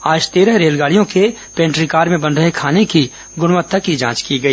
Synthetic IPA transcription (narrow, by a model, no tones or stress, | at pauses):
aːd͡ʒt̪eːɾəɾeːlɡaːɭijõke | pẽːɳʈɾikaːɾmẽbɐ̃nd̪ɾəɦekʰaːneki | ɡʊɽ̃ʋət̪ʰːəkid͡ʒãːt͡ʃkiɡɐiː